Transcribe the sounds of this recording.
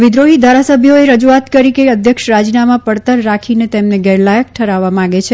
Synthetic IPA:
ʋɪd̪ɾoɦid̪ʱaɾasəbʱjoeɾəd͡ʒuat̪kəɾikeəd̪ʱjəkʃɾad͡ʒinamãpəɽt̪əɾːakʰinet̪emneɡɛɾlajək̚ʈʰəɾaʋːamãɡet͡ʃʰe

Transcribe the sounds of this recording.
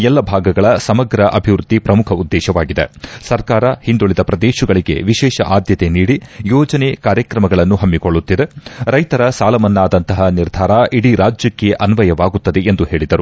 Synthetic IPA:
ɛlːɐbʱaːɡɐɡɐɭɐsɐmɐɡɾɐʔɐbʱiʋɾud̪ʱːipɾɐmukʰɐud̪ːɛːʃɐʋaːɡid̪ḛsɐɾkaːɾɐhind̪uɭid̪ɐpɾɐd̪eːʃuɡɐɭiɡe̞̰ʋiʃɛːʃɐ̰ʔaːd̪jɐt̪e̞niːɽijɔːd͡ʒɐnekaːɾjɐkɾɐmɐɡɐɭɐnːuɦɐmːikoɭːut̪ːid̪eɾɐjt̪ɐɾɐsaːlɐmɐnːaːd̪ɐnt̪ɐɦɐniɾd̪ʱaːɾɐʔiɽiɾaːd͡ʒjɐkːeʔɐnʋɐjɐʋaːɡut̪ːɐd̪eend̪uhe̞ːɭid̪ɐɾu

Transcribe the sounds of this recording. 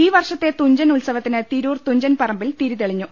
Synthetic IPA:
iːʋɐrʂɐt̪ːe̞t̪uɲd͡ʑɐnulsɐʋɐt̪ːinɨt̪iɾuːrt̪uɲd͡ʑɐnpɐrɐmbilt̪iɾuðeɭiɲːu

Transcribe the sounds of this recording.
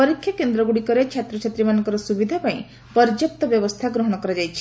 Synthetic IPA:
pɔɾikʰjakend̪ɾɔɡuɽikɔɾet͡ʃʰat̪ɾɔt͡ʃʰat̪ɾimanekɔɾɔsubid̪ʱapaĩ | pɔɾd͡ʒɔk̚t̪ɔbjɔbɔst̪ʰaɡɾɔɦɔɽ̃ɔkɔɾɔd͡ʒajt͡ʃʰi̥

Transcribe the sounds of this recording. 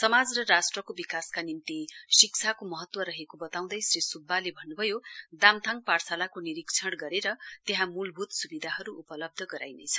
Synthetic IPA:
sʌmad͡zrʌrasʈrʌkobikaskanimt̪isikt͡sʰakomʌɦʌt̪wʌɾʌɦekobʌt̪aw̃d̪ʌjsrisubːalebʱʌnːubʱʌjod̪amt̪ʰaŋparsalakoniɾikt͡sʰʌɽɡʌɾeɾʌt̪eɦãmulbʱut̪subid̪ʱaɦʌɾuupʌlʌb̚d̪ʱʌɡʌɾa̰jnḛt͡sʰʌ̥

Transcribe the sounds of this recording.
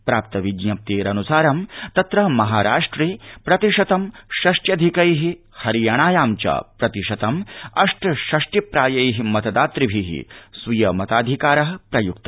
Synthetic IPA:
pɾaːp̚t̪ɐʋiɡnɐp̚t̪eːɾɐnusaːɾɐmt̪ɐt̪ɾɐɦmɐɦaːɾa̰ːʂʈɾiːpɾɐt̪iʂɐt̪ɐmʃɐʂʈjɐd̪ʱikɐjɦi | hɐɾijɐɳ̃aːjaːmt͡ʃɐ̰pɾɐt̪iʂɐt̪ɐmɐʂʈɐʃɐʂʈipɾaːjɐjɦimɐt̪ɐd̪aːt̪ɾibʱiɦḭsʋujɐmɐt̪aːd̪ʱikaːɾɐɦɐpɾɐjuk̚t̪ɐ

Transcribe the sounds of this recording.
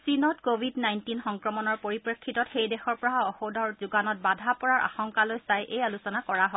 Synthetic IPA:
sinɔtkobʱidnajntinxɔŋkɹɔmɔnɔɹpoɹipɹekʰːitɔtxejdɛxɔɹpɔɹaɔxodʱɔɹzuɡanɔt̚badʱapɔɹaɹʔa̰xɔŋkalojsajʔejalusɔnakɔɹaɦɔj

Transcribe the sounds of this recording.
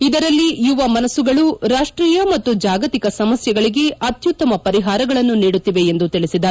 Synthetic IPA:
id̪ɐɾɐlːijuʋɐmɐnɐsːuɡɐɭuɾaːʂʈɾiːjɐmɐt̪ːud͡ʒaːɡɐt̪ikɐsɐmɐsjɐɡɐɭiɡe̞ɐt̪jut̪ːɐmɐpɐɾiɦaːɾɐɡɐɭɐnːuniːɽut̪ːiʋe̞end̪ut̪iɭisid̪aːɾ

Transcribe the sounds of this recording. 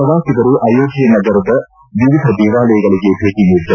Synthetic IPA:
ɐd̪aːsidɐɾuʔɐːjoːɡijɐnɐɡɐɾɐd̪ɐ | ʋiʋid̪ʱɐd̪iːʋaːlɐjɐɡɐɭiɡebʱeːɡinid̪ːɐ

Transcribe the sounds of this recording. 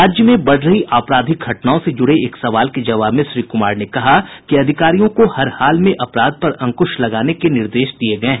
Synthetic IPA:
ɾaːd͡ʒjəmẽbɐɽ̤ɾɐɦiʔaːpɾaːd̪ʱɪk̚ɡʱɐʈnaːõsed͡ʒʊɽeeːksɐʋaːlked͡ʒɐʋaːbmẽʃɾiːkʊmaːɾnekɐɦakiɐd̪ʱɪkaːɾijõkohɐɾhaːlmẽʔɐpɾaːd̪̚pɐɾɐ̃ŋkʊʃlɐɡaːnekenɪɾd̪eːʃd̪ieɡɐɛ̃ː

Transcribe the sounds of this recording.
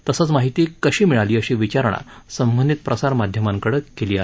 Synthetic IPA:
t̪əsat͡smaɦit̪iːkəɕiːmiɭaliːəɕiːʋit͡ɕaɾɳ̃a̰ | səmbənd̪it̪̚pɾəsaɾmad̪ʱjəmaŋkəɽəkeliːa

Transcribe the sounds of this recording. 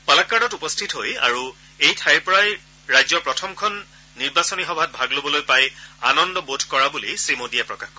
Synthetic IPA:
palakːanɔtupɔstʰitɦoja̰ɹu | ejtʰajpɔɹaj | ɹajzɔpɹɔtʰɔmkʰɔnː | iɹbasɔnixɔbʱat̚bʱaɡlobɔlojpajanɔndɔbotʰkɔɹabulisɹimodijapɹɔkaxkɔ

